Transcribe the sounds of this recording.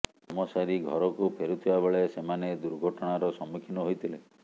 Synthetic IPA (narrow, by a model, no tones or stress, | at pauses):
ɔmɔsaɾiɡʱɔ̰ɾɔkupʰeɾut̪ʰibabeɭesemaned̪uɾɡʱɔʈɔɽ̃aɾɔsɔmːikʰinɔɦojt̪ʰile